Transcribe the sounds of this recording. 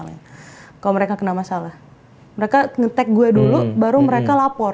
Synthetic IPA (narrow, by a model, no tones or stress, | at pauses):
la̰kaloməɾekakənamasalah | məɾekaŋət̪ɛk̚ɡuadulubaɾuməɾekalapɔr